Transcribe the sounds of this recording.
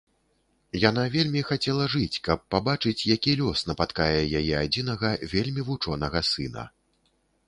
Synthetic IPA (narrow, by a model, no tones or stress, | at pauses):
jan̪avʲelʲmʲixat͡sʲɛlˠɐʐɨt͡sʲkɐpːabat͡ʂɨt͡sʲjakʲilʲɔsnɐpat̪kajɛjajɛad͡zʲin̪ɐɣɐvʲelʲmʲivut͡ʂɔnɐɣɐsɨnɐ̰